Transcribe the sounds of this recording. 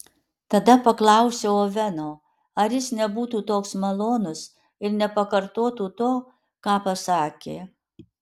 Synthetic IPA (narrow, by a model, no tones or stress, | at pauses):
t̪ɐd̪ɐpɐklˠɐˑʊsʲɛoːʋʲɛnoː | ɐɾjɪsnʲɛbuːt̪uːt̪oːksmɐlˠoːnʊs | ɪɾnʲɛpɐkɐɾt̪oːt̪uːt̪oː | kɑːpɐsɑːkʲeː